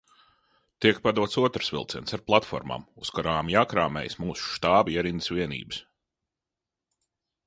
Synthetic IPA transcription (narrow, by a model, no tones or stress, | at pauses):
t̪iɛk̚pad̪uɔt̪suɔt̪ɾsvʲḭlˠt̪sɛ̰nsaɾplˠat̪fɔ̰ɾma̰muskaɾaːmjaːkɾaːmɛ̰jsmuːsu̥ʃt̪aːbiɛɾinsvʲiɛnḭːbɨs